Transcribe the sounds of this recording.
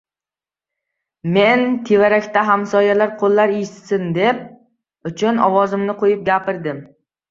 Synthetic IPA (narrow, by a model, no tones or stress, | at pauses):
me̞nt̪ʰevaɾakʲt̪ʰaɦamsɒjalaɾqʰolːaɾet̪sɪnd̪e̞p̚ | ʊt͡ʃʰʊnɒ̰wɒzɪmnɪqʰojɪp̚ɡʲapɪɾd̪ɪm